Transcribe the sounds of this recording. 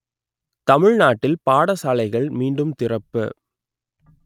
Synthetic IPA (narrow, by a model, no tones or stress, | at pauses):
t̪ɐmɪɻnaːʈːɪlpaːɽɐsaːlɐɪɣɐɭmiːɳɖɯmt̪ɪrɐpːɯ̰